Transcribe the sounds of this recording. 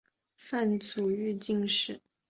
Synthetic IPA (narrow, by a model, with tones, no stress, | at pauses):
fa˥˩nt͡su˨˩y˥˧t͡ɕi˥˧ŋʂɻ̩˥˩